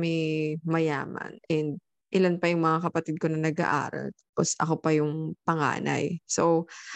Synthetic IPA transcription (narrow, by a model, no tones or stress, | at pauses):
mɛmɐja̰ːmɐ̰nʔɛnd̪̚ | ʔɪlanpɐjʊŋmɐŋakɐpɐt̪id̪̚konɐnɐɡa̰ʔa̰ːɾɐ̰lt̪aposʔɐ̰kopɐjʊŋpɐŋa̰ːna̰jsow